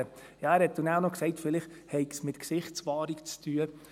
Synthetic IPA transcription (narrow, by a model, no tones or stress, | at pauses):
ə | jɑæɾhɛt̚d̥unaʊnɔksɛɪtfɪlɪχ | hɛɪɡsmɪtksɪχt͡sʋɑːɾikt͡stʰyːə